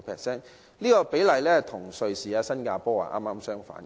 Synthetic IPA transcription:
pʰɛː˨k̚sɛː˥˩n | liː˥kɔː˧pe˨˥jlɐ˨jlɛː˥t̪ʰʊ˨˩ŋsɵ˨˧ɥsiː˨aː˧sɐ˥nkaː˧pɔː˥wa̰ː˨˩ʔa̰ː˥mːaː˥msœː˥ŋfa̰ː˨˥n

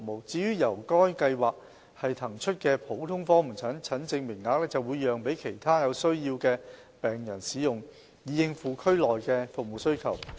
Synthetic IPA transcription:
k̚mo˨wt͡siː˨˥jyː˥jɐ˨˩wkɔː˥jkɐ˧jwaː˨k̚ | hɐ˨jt̪ʰɐ˨˩ŋt͡ʃʰɵ˥t̚kɛː˧pʰo˨˥wt̪ʰʊ˥ŋfɔː˥m̩˨˩t͡sʰɐ˨˥nt͡sʰɐ˨˥nt͡sɪ˧ŋmɪ˨˩ŋːaː˨˥k̚lɛː˥t͡sɐ˨wuː˨˧jːœː˨ŋpe˨˥jkʰe˨˩jt̪ʰaː˥jɐ˨˧wsɵ˥ɥjiː˧wkɛː˧ | pɛː˨ŋjɐ˨˩nsiː˨˥jʊ˨˩ŋ | jiː˨˧jɪ˧ŋfuː˨˧kʰɵ˥ɥlɔː˨jkɛː˧fʊ˨k̚mo˨wsɵ˥ɥkʰɐ˨˩w

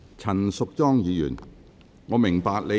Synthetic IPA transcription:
t͡sʰɐ˨˩nsʊ˨k̚t͡sɔː˥ŋjiː˨˧jy̰ː˨˩n | ŋɔː˨˧mɪ˨˩ŋpaː˧k̚le˨˧

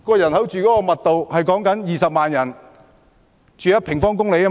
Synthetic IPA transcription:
kɔː˧jɐ˨˩nɦɐ˨˥wt͡ʃyː˨kɔː˨˦˥kɔː˧mɐ˨t̚t̪o˨whɐ˨jkɔː˨˥ŋkɐ˨˥njiː˨˧sɐ˨p̚maː˨njɐ˨˩n | t͡ʃyː˨jɐ˥t̚pʰɪ˨˩ŋfɔː˥ŋk̬ʊ˥ŋle˨˥jɐ˥

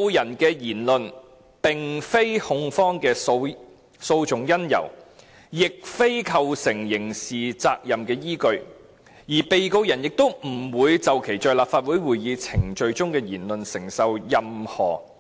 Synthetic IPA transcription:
wjɐ˨˩nkɛː˧jiː˨˩nlɵ˨n | pɪ˨ŋfe˥jhʊ˧ŋfɔː˥ŋkɛː˧ | so˧wt͡sʊ˨˩ŋjɐ˥njɐ̰˨˩w | jɪ˨k̚fe˥jkʰɐ˨˧wsɪ˨˩ŋjɪ˨˩ŋsiː˨t͡sa̰ː˧k̚jɐ˨mkɛː˧jiː˥kɵ˧ɥ | jiː˨˩pe˨jko˧wjɐ˨˩njɪ˨k̚t̪o˥wm̩˨˩wuː˨˧jt͡sɐ˨wkʰe˨˩jt͡ʃœː˨jlaː˨p̚faː˧t̚wuː˨˥jwuː˨jjiː˨˧t͡sʰɪ˨˩ŋt͡ʃɵ˧ɥt͡sʊ˥ŋkɛː˧jiː˨˩nlɵ˨nsɪ˨˩ŋsɐ˨wjɐ˨mhɔ̰ː˨˩

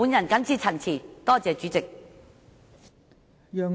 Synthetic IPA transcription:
uː˨˧njɐ˨˩nkɐ˨˥nt͡sʰiː˨˧t͡sʰɐ˨˩nt͡sʰiː˨˩t̪ɔː˥t͡sɛː˨˧t͡ʃyː˨˥t͡sɪ˨k̚ | jœː˨

